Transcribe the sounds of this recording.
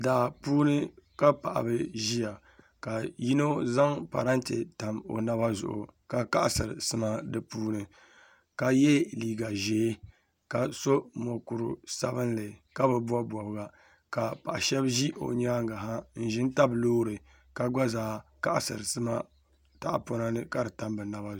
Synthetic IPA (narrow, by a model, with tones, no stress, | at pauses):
daː˨puː˦nɨ˦ka˦pa˨ʔa̰˨bɨ˦ʒi˦ja˨ | ka˨ji˦no˦za˦ŋpa̰˨ɾa˦ntḛ˨ta˨mo̰˨na˦ba˦zʊ̰˨ʔʊ̰˨ka˨ka˦ʔa˨sɨ˨ɾɨ˨sɨ˦ma˦dɨ˦puː˦nɨ˨ | ka˨jɛ˦liː˨ɡa˨ʒeː˨˦ | ka˨so˦mo˨ku˨ɾʊ˨sa̰˦βɨ˦nlɨ˨ka˦bɨ˨ba˦bwɔ˨bɨ˦ɡa˦ | ka˨pa˨ʔa˨ʃɛ˦bʒi˦ʔo̰˨ɲa˦ŋɡa˨ɦa˦n̩˦˨ʒɪ˦n˦ta˦bloː˦ɾɨ˨ | ka˨ɡa˦zaː˨˦ka˦ʔa̰˨sɨ̰˨ɾɨ˨sɨ˦ma˦ | ta˨ʔa̰˨po˦na˦nɨ˦ka˦dɨ˨ta˨mbɨ˨na˦ba˦